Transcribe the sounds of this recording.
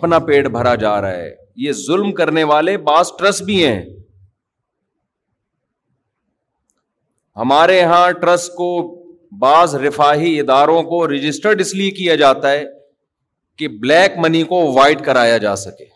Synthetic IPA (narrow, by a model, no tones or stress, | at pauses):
ɐpnapeːɖbʱɐɾad͡ʒaːɾaaɦɛ̰ː | jeːzʊlmkɐɾneʋaːlebaːzʈɾəsbʱiɦɛ̰̃ | hɐmaːɾeɦãʈɾɐsko | baːzɾɪfaːɦiɪd̪aːɾõkoɾɪd͡ʒɪsʈəɾɖɪsliekijad͡ʒaːt̪aɦɛː | keblɛːkmɐnikoʋaːɪʈkɐɾaːjad͡ʒa̰ːsɐkeː